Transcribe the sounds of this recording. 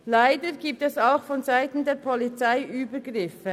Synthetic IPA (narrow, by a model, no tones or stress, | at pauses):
laɪdəɡ̥iːp̚tɛsaʊxfɔnzaɪtn̩deːɾpʰɔlit͡saɪʔyːbəɡʁɪfə